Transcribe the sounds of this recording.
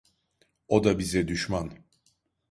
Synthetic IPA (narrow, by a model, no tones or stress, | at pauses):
od̪abizɛd̪yʃman